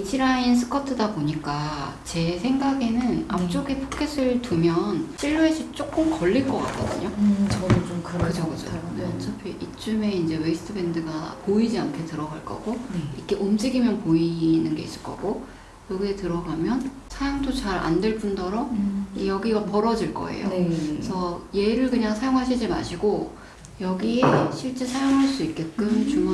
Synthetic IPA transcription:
iɕʰiɾainsʰɯ̥kʰʌtʰɯdaboɲik͈a | t͡ɕe̞sʰe̞ŋɡaɡe̞nɯna̰p̚t͡ɕ͈oɡepʰokʰes͈ɯɭtumjʌnɕ͈ʰiʎːuesʰɯt͡ɕ͈ok͈ɯmkʌɭːiɭk͈ʌk͈a̰k͈ʌ̰dɯɲo | mkɯt͡ɕʰʌkɯd͡ʑo̰net͡ɕʰapʰiʔit͡ɕ͈ume̞ind͡ʑe̞weisʰɯ̥tʰɯbe̞ndɯɡapoid͡ʑiaŋkʰe̞tɯɾʌɡaɭk͈ʌ̰ɡ̥oik͈e̞ʔomd͡ʑiɡimjʌnpoinɯnɡe̞is͈ɯ̥ɭk͈ʌ̰ɡo | jʌɡie̞tɯɾʌɡamjʌn | sʰajoŋdot͡ɕaɾʔa̰ndweɭp͈undʌɾʌmjʌɡiɡapʌɾʌd͡ʑiɭk͈ʌ̰e̞̰jo̰sʰʌje̞ɾɯɭkɯɲaŋsʰajoŋɦaɕʰid͡ʑima̰ɕʰiɡo | jʌɡieɕʰiɭt͡ɕ͈e̞sʰajoŋɦaɭs͈uik̚k͈e̞k͈ɯmt͡ɕum

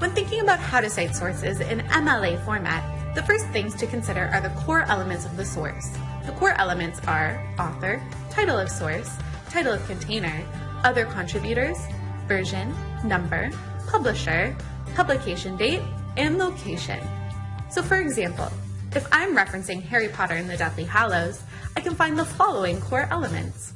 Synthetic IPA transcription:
wɨ̃nθɪ̃ŋkɪ̃ŋɨbaʊt̚haʊɾɨsaɪtsɔɹsɪzɪ̰̃nɛ̃mɛlˠeɪfɔɹmæ̰t̪̚ | ðɨfɜ˞st̪̚θɪ̃ŋz̥tʰɨkʰɨ̃n̩sɪɾə˞ʔə˞ðɨkʰɔɹʔɛlˠəmɨ̃ntsʌvðɨsɔ̰ɹs | ðəkʰɔɹʔɛ̰lˠəmɨ̃ntsə˞ | ʔɔθə˞ | tʰaɪɾl̩ˠʌv̥sɔɹs | tʰaɪɾl̩ˠʌv̥kʰɨ̃ntʰẽɪ̃nə˞ | ʔʌðə˞kʰɑ̃ntʰɹ̥ɪbjʉɾə˞z̥ | vɜ˞ʒɨ̃nː | ʌ̃mbə̰˞ | pʰʌbləʃə˞ | pʰʌblɨkʰeɪʃɨ̃ndeɪɾ | ɨ̃nloʊkʰeɪʃɨ̰̃nsoʊfə˞ɨɡzæ̃mpl̩ˠʔɨfãɪ̃mɹɛfɹɨ̃nsɪ̃ŋɦɛɹipʰɑɾə˞ɨ̃nðɨdɛθlihælˠoʊz | aɪkɨ̃nfãɪ̃nðəfɑlˠoʊɪ̃ŋkʰɔɹʔɛlˠəmɨ̰̃nts

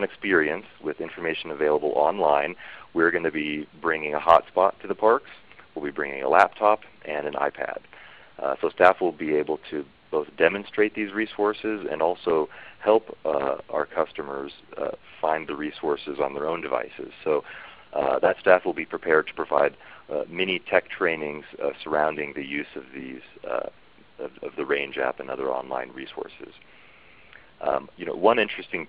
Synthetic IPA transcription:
nɨkspɪɹiɨ̃nswɪðɪ̃ɱfə˞meɪʃɨ̃nɨveɪlˠəbl̩ˠʔɑ̃nlãɪ̃nwiɹɡʌ̃nɨbibɹɪ̃ŋɪ̃ŋəhɑ̰tspɑtʰɨðəpʰɑɹkswɪlˠbibɹɪ̃ŋɪ̰̃ŋə̰læp̚tʰɑpʔɨ̃nɨ̃na̰ɪpʰæ̰d̥̚ | soʊstæfwəlˠbieɪbl̩ˠtʰɨ | b̥oʊθd̥ɛmɨ̃nstɹ̥eɪt̪̚ðizɹisɔɹsɪzɨ̰̃nɔlˠsoʊhɛlˠpʔaʊə˞kʰʌstɨmə̰˞z̥ | fãɪ̃nðɨɹisɔɹsɨzn̩ðə˞õʊ̃ndɨva̰ɪsɪ̰z̥soʊ | ðɨtstæfwəlˠbipʰɹ̥ipʰɛɹd̚tʰə̥pʰɹ̥ɨva̰ɪd̚mɛñitʰɛk̚tʰɹ̥ẽɪ̃nɪ̃ŋz̥sə˞ãʊ̃ndɪ̃ŋðɨjʉzʌvðiz̥ | ʌʌ̰vðɨɹẽɪ̃nd͡ʒæ̰pɨ̃nʌ̰ðə̰˞ɑ̰̃nlã̰ɪ̃nɹisɔ̰ɹsɪ̰z̥ | jɨnoʊwʌ̃nɪ̃nt͡ʃɹ̥ɨstɪ̃ŋ

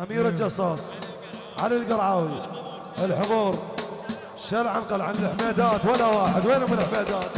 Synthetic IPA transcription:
ʔamiːɾɪld͡ʒɑsˤːɑːsˤ | ʕalalɡɑɾˤʕaːwi | ʔɪlħʊðuːɾ | ʃalʕanqɑlʕanlɪħmeːd̪aːt̪walːawaːħɪd̪weːnhʊmːɪlɪħmeːd̪aːt̪

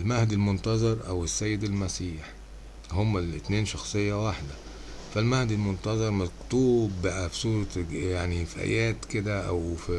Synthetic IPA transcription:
lmahd̪ilmont̪ɑzˤɑɾˤʔæwesːæjːed̪ælmæsiːħ | homːælɪt̪neːnʃɑxsˤejːæwaħd̪æ | fælmahd̪ilmont̪ɑzˤɑɾˤmækt̪uːbːʔæfisˤuːɾˤɑjaʕnifiʔæ̰jæːt̪ked̪æʔæwf

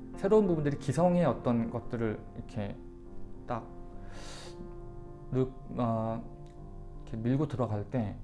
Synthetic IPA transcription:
sʰe̞ɾounbubundɯɾikisʰʌŋe̞ʌt͈ʌnɡʌt̚t͈ɯɾɯɭ | ikʰe̞ | t͈ak̚ | nɯ | a | ikʰemiɭɡotɯɾʌɡaɭt͈e̞

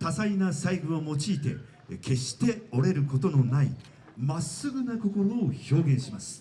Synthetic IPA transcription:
t̪asainasaiɡɯ̟omo̞t͡ɕiːt̪e̞̰ | kʰe̞ɕi̥t̪e̞o̞ɾe̞ɾɯ̟ko̞t̪o̞no̞nai | masɨɡɯ̟nako̞ko̞ɾo̞ːço̞ːɡẽɰ̃ɕimasɨ̥

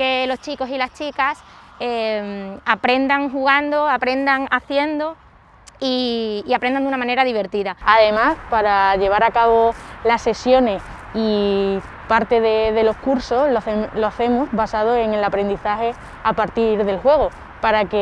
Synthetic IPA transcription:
ke̞lo̞st͡ʃiko̞silast͡ʃikas | emapɾe̞nd̪aŋɦuɣ̞and̪oapɾe̞nd̪aŋaθje̞nd̪o | iːapɾend̪and̪unamãne̞ɾaðiβ̞e̞ɾt̪iðaaðe̞maspaɾaʎe̞β̞aɾakaβ̞o̞lasːe̞sjo̞ne̞s | i | paɾt̪e̞ðeðe̞lo̞skuɾso̞lθeloaθe̞musβasað̞oe̞ŋe̞lapɾe̞nd̪iθahe̞ | apaɾt̪iɾðe̞lxwe̞ɣ̞o̞ | paɾake

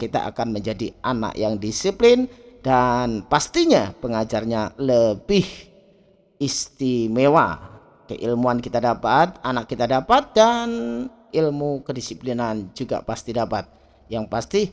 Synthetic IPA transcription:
kit̪a̰ʔa̰kanməɲd͡ʒadiʔana̰ʔjaŋdisiplɪndanpast̪iɲapəŋad͡ʒarɲaləbɪh | ist̪imewa̰ | kə̰ʔilmuankit̪adapat̪̚anakːit̪adapat̪̚dan | ilmukədisiplinand͡ʒuɡa̰past̪idapat̪̚ | jaŋpast̪i

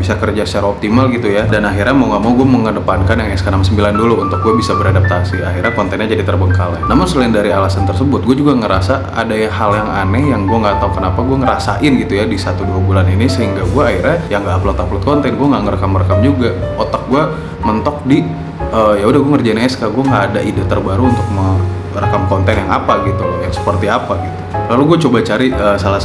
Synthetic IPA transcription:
bisakərd͡ʒasə̥t͡ʃaɾaop̚t̪imalɡit̪ujadanaɦirɲamauŋamauɡuaməŋədəpankanjaŋɛskanamsəmbilanduluːnt̪ʊk̚ɡuabisabəɾadap̚t̪asiahirɲakɔnt̪ɛnɲad͡ʒadit̪ərbəŋkala̰namʊnsəlaɪndaɾialasant̪ərsəbʊt̪̚ɡuad͡ʒuɡaŋəɾasa | a̰dajaɦaljaŋanɛjaŋɡuaŋɡat̪aukənapaɡuaŋəɾasa̰ʔɪnɡit̪ujadisat̪uduabulaninisəɦiŋɡaɡuairɲajaŋɡaːplɔt̪aplʊt̪̚kɔnt̪ɛnɡuaŋɡaʔŋərəkamrəkamd͡ʒuɡaot̪ak̚ɡua | mənt̪ɔk̚di | əjaudahɡuaŋərd͡ʒanaaskaɡuaŋɡaʔːdaʔidat̪ərbaɾuunt̪ʊk̚mə | rəkamkɔnt̪ɛnjaŋa̰paɡit̪ujaŋsə̥pərt̪iapaɡit̪ulaluɡuat͡ʃobat͡ʃaɾiəsala

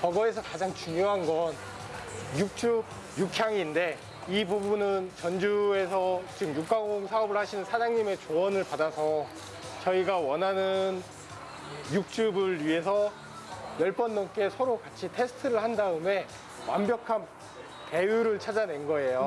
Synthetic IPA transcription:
pʌɡʌe̞s̬ʰʌkad͡ʑaŋt͡ɕuŋjoɦanɡʌn | juk̚t͡ɕ͈ub̚ | jukʰjaŋinde̞ | ibubunɯnt͡ɕʌnd͡ʑue̞sʰʌt͡ɕiɡɯmjuk͈aɡoŋsʰaʌbɯɭhaɕʰinɯnsʰad͡ʑaŋɲime̞t͡ɕoʌnɯɭpadasʰʌ | t͡ɕʌiɡawʌnɦanɯn | juk̚t͡ɕ͈ubɯɭɥiɦe̞sʰʌ | jʌɭp͈ʌnːʌnk͈e̞sʰʌɾokat͡ɕʰitʰe̞sʰɯ̥tʰɯɾɯɭhandaɯme̞ | wa̰mbjʌkʰan | te̞juɾɯɭt͡ɕʰad͡ʑane̞nɡʌe̞jo

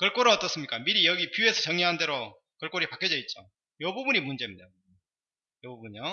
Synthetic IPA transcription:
kʌɭk͈oɾɯʌt͈ʌs͈ɯmɲik͈amiɾijʌɡipjue̞sʰʌt͡ɕʌŋiɦande̞ɾo | kʌɭk͈oɾipakʰjʌd͡ʑʌit̚t͡ɕ͈o̰ | jʌbubuɲimund͡ʑe̞mdeo | jʌbubuɲio

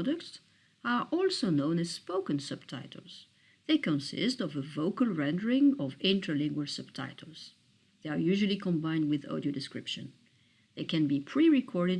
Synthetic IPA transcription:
dək̚ts | ə˞ʔɔlˠsonõʊ̃nɨz̥spoʊkɨ̃nsʌb̥̚tʰaɪɾ̰l̩ˠz̥ | ðeɪkə̃nsɪ̰stʌvəvoʊkəlˠɹɛ̃ndə˞ɪ̃ŋʌvɪ̃ntʰə˞lɪ̃ŋɡwəlˠsʌb̥̚tʰa̰ɪɾl̩ˠz̥ | ðeɪəɹjʉʒəlˠikʰɔ̃mbãɪ̃nd̚wɪðɔ̰ɾiodɨskɹɪpʃɨ̰̃n | ðeɪkɨ̃nbipʰɹ̥iɹɪkʰɔɹɾɨd

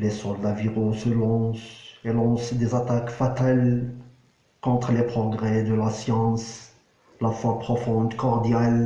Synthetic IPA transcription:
lesɔld̪aviʁosəlɔ̃selɑ̃sd̪ezat̪akfat̪al | kɔ̃t̪χəlepχɔɡʁɛd̪əlasjɑ̃s | lafwapχɔfɔ̃d̪kɔʁd̪jal

